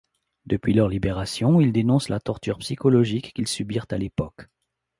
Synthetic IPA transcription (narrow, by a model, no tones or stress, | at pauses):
d̪̥əpɥilœʁlibeʁasjɔ̃ild̪enɔ̃slat̪ɔʁt̪yʁpsikɔlɔʒikːilsybiʁt̪alepɔk